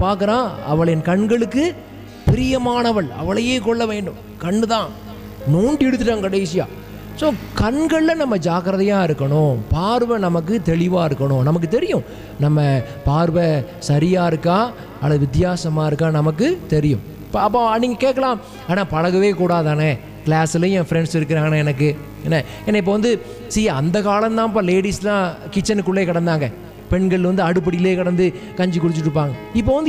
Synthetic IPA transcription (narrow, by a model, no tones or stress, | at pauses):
paːɾkɯɾãːɐ̰ʋɐɭɐɛnkɐɳɡɐɭɯkːɯ | pɪɾɪjɐmaːnɐʋɐɭɐ̰ʋɐɭɐjeːkɔɭːɐʋeːɳɖɯm | kɐɳɖɯt̪ãː | noːɳɖiɛɽɯt̪̬ːɯʈːãːŋkɐɽɐɪsɪja̰ː | soːkɐɳɡɐɭːɐnɐmːɐd͡ʒaːkɐɾɐðɐjaːɪɾɯkːɐɳʊ̃paːɾʋɐnɐmɐk̬ːɯt̪ɛɭɪʋaːɪɾɯkːɐɳʊ̃nɐmɐk̬ːɯt̪ɛɾɪjʊ̃ | nɐmːɐ | paːɾʋɐ | sɐɾɪjaːɪɾɯkːaː | ɐlːɐðɯʋɪt̪ɪjaːsɐmaːɪɾɯkːaːnɐmɐk̬ːɯt̪ɛɾɪjʊ̰̃ | pːɐp̬ːoːniːŋɡɐkeːʈkːɐlãː | aːnaːpɐɻɐɣɐʋeːkuːɽaːðaːnɐ | kɪlaːsɪlɐj̃jɛ̃ːfɾɛɳɖsɪɾɯk̬ːɪɾaːŋɡɐnãːɛnɐk̬ːɯ | ɛnːɐ | ɛnːɐɪp̬ːoːʋɐnd̪ɯ | siɐnd̪ɐkaːlɐ̃t̪ãːp̬aːleːɽislãːkɪt͡ʃːɐnkːʊɭːeːkɐɽɐnd̪aːŋɡɐ | pɛɳɡɐɭɪlʋɐnd̪ɯɐɽɯp̬ːɐɽɪjɪleːkɐɽɐnd̪ɯkɐɲd͡ʒɯkːʊɽɯt͡ʃːɯʈːɾɯp̬ːaːŋɡɐɪpːoːʋɐnd̪